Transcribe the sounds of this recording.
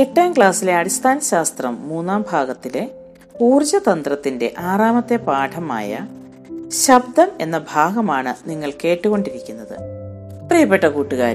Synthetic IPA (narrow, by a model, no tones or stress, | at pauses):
eʈːɐjɐmkɭaːsileɐɽist̪ʰaːnɐɕaːst̪rɐmːuːnːaːmbʱaːɡɐt̪ːile̞ | puːrd͡ʑɐt̪ɐnd̪rɐt̪ːinde̞̰ʔaːraːmɐt̪ːe̞paːʈʰɐma̰ːjɐ̰ | ɕɐb̚d̪ɐme̞nːɐbʱaːɡɐmaːɳɨniŋːɐɭke̞ːʈːuɣo̞ɳɖiɾikʲːunːɐðɨ̰prijɐpːeʈːɐkuːʈːuɣa̰ːɾ